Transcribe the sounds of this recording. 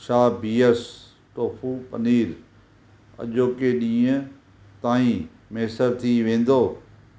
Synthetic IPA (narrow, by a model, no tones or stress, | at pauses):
ʃaːbiːəs | ʈoːfʰupɐniːɾ | ɐ̰ʄoːkeɗĩːə̃ | t̪aːĩ | meːsəɾt̪ʰiʋẽːn̆d̪oː